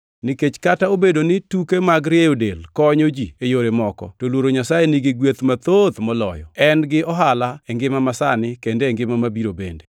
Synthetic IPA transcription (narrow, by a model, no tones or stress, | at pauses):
nɪket͡ʃkataobedonɪtukemaɡɾɪejodelkɔɲod͡ʒiejoɾemɔkɔ̰tolwoɾoɲasajenɪɡɪɡwet̪mat̪ot̪mɔlɔ̰jɔ̰ɛnɡɪɔɦalaɛŋɡɪmamasanɪkendeːŋɡɪmamabiɾobḛnde